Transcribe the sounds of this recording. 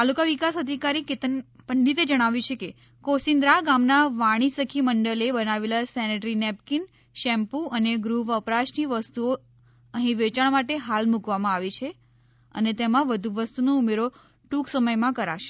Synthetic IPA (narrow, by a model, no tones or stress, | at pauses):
t̪alukaʋikasəd̪ʱikaɾiket̪ənpəɳɖit̪ed͡ʒəɽ̃aʋjut͡ʃʰeke | kosind̪ɾaɡamnaʋaɽ̃isəkʰiməɳɖəlebənaʋelasɛneʈɾinɛp̚kin | ʃɛmpuəneɡɾuʋəpɾaʃniʋəst̪uo | əɦĩʋet͡ʃaɳmaʈeɦalmukʋamãaʋet͡ʃʰe | ə̰net̪emãʋəd̪ʱuʋəst̪unoumeɾo | ʈuksəməjmãkəɾa̰ʃe̥